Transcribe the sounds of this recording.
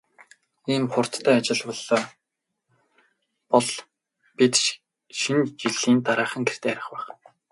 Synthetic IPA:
iːmχʊr̥t̪ːʰæːat͡ɕɪ̆ɮpɔɮɔː | pɔɮ | pit̪ | ʃint͡ɕiɮiːnt̪aɾaːχə̆ŋɡer̥t̪eːɾʲɪ̆χpæːχ

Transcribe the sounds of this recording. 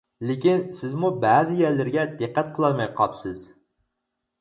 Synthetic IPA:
lekʲinsɪzmubæzɪjæɾlɪɾɡʲɛd̪ɨqːæt̪̚qʰəlˠɑɾmɛjqʰɑpsɪz̥

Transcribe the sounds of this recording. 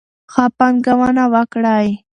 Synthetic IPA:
hapaŋɡawanawakɾaj

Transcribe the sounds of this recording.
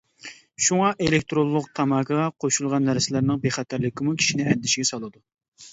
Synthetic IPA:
ʃuŋɑʔelekʲt̪ɾolˠːʊq̚t̪ʰɑmɑːkʰəʁɑqʰoʃulˠʁɑnːæɾsɪlæɾnɪŋbeχɛt̪ʰæɾlɪkʲʰɪmukʲʰi̥ʃinɪɛnd̪ɪʃiɡʲɛsɑlˠɨd̪u

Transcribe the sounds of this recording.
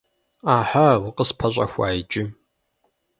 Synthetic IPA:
aːħawʊqəspʰɐɕʷʼɐ̰xʷaːjt͡ʃʼɪ

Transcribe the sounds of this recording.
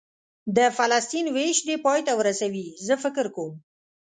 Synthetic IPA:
d̪əfalast̪inweʃd̪epɑjt̪awəɾasawizəfɪkɾkom

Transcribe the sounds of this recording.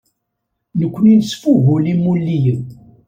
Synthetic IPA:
nəkʷːəninsfuɣulimulːiji

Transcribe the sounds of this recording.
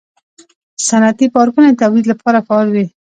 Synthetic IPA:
sanat̪ipɑɾkunet̪awlid̪lapʰɑɾafɑlwi

